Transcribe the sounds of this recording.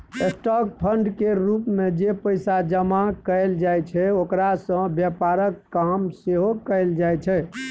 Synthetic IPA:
esʈɔk̚pʰəɳɖkeɾupmed͡ʒepəjsad͡ʒəmakəjld͡ʒajt͡ʃʰɛokɾasə̃bjɛpaɾəkːamseɦokəjld͡ʒajt͡ʃʰɛ

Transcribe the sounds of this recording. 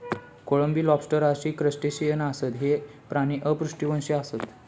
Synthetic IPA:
koɭəmbiːlɔpsʈəɾaɕiːkɾəsʈeɕijənasət̪ɦe | pɾaɽ̃iʔəpɾuʂʈiʋənɕiasət̪

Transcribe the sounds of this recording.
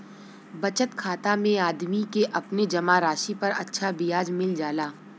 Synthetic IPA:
bɐt͡ʃət̪kʰaːt̪amẽaːd̪mikeʔɐpned͡ʒɐmaɾaːʃipɐɾɐtːʃʰabijaːd͡ʒmɪld͡ʒaːlaː

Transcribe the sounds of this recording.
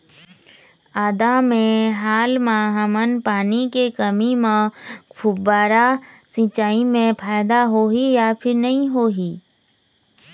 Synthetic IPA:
aːd̪amẽɦaːlmãɦəmənpaːnikekəmimẽkʰʊbbaːɾa | sĩt͡ʃaːimẽpʰaːjd̪aɦoːɦijapʰɪɾnɐɦĩɦoːɦiː

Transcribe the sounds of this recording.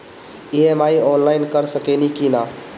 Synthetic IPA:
iemaiɔːnlaɪnkəɾsəkenikinaː

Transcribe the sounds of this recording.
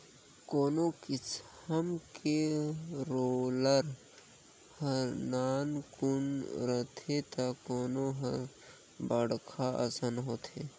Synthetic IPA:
koːnokɪt͡ʃhəmke | ɾoːləɾ | hə̃naːnkʊnɾət̪ʰet̪akoːnoɦə̃ | bəɽkʰaʔə̰sənɦoːt̪ʰeː

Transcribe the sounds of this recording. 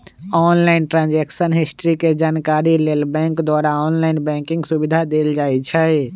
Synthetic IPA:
ɔːnlaɪnʈɾãːnd͡ʒɛksənɦɪsʈəɾiked͡ʒaːnkaːɾileːlbɛ̃ŋkd̪waːɾaɔːnlaɪnbɛ̃kɪ̃ŋɡsubid̪ʱad̪eːld͡ʒaːɛt͡ʃʰɛ

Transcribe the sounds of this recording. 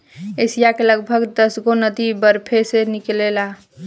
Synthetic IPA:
esijakeləɡbʱəɡd̪əsɡonəd̪ibəɾpʰeseniklela

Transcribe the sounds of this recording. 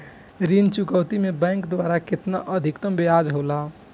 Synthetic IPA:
ɾint͡ʃukəwt̪imebɛ̃ŋkd̪waɾakɪt̪naʔəd̪ʱikt̪əmbead͡ʒɦola

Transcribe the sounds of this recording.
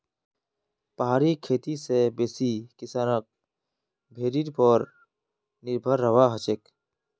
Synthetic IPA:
pəɦaːɾikʰeːt̪isebeːsikɪsaːnək̚ | bʱeːɾiʈpɔɾ | nɪɾbʱəɾːəʋaɦət͡ʃek

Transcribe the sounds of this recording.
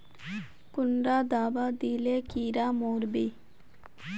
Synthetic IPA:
kʊnɖaːd̪aːbad̪iːlekiːɾaːmoːɾbiː

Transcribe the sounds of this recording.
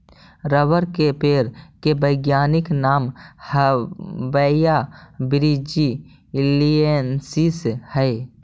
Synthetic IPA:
ɾəʋəɾkepeːɾkebəɪɡjaːnɪknaːmhəbəjabɪɾid͡ʒi | liensishɛe

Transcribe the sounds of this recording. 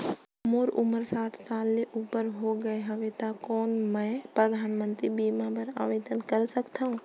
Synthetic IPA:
moːɾʊməɾsaːʈʰsaːlːeʔuːpəɾɦoɡɐeɦɐʋet̪akɔːnmɛ̃ːpɾəd̪ʱaːnmə̃nt̪ɾibiːmãbəɾa̰ːʋeːd̪ənkəɾsɐkt̪aːɦũ

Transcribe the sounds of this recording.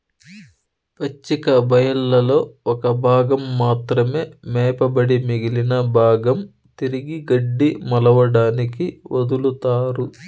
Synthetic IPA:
pɐt͡ʃːikɐbʱɐjɐlːɐlo̞ːɔkɐbʱaːɡɐmːaːt̪ɾɐme̞ːmɛːpɐbɐɽimiɡilinɐbʱaːɡɐm | t̪iɾiɡiɡɐɖːimɐlɐʋɐɽaːnikiʋɐd̪ulut̪aːɾu

